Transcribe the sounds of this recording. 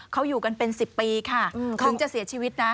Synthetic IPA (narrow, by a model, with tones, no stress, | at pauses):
kʰa˦˥wjuː˨˩ka˧npe˧nsi˨˩pːiː˧kʰa˥˩ʔɯ˧˩kʰu˨˦ŋt͡ɕa˨˩ʔsi˨˩˦ɐt͡ɕʰiː˧wi˦˥t̪̚na˦˥